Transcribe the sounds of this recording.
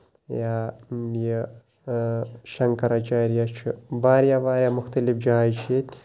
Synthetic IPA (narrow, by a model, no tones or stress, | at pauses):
jaːje | ʃɐŋkɐɾat͡ʃaːɾijat͡ʃʰiʋaːɾjaʋaːɾjamʊxt̪ɐlifd͡ʒɐɦaːjt͡ʃʰet̪ʲ